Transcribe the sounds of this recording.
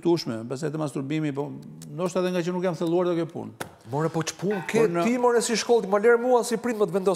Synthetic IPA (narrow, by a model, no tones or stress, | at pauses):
t̪uʃmɛbɛs̬ɛjt̪əmast̪uɾbimipɔnd̪ɔʃt̪aɛðɛŋɡat͡ɕənukjamθɛlˠuaɾd̪ɔkɛpṵn | mɔɾɛpɔt͡ʃə̥punkɛnimɔɾɛsiʃkɔlˠt̪imalɛɾmuasipɾinmət̪vɛnd̪ɔ